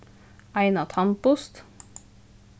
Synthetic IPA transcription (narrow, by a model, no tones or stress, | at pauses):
æɪnɑt̪ʰɑmpʊst̪